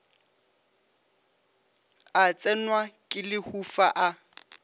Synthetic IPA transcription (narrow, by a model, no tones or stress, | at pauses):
at͡sʼɛnwakʼɪlɪhufaʔa